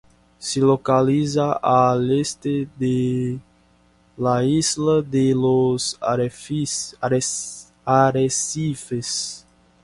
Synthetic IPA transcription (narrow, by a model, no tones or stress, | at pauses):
selokalizaalest̪ed̪e | laizlad̪elos | aɾesifes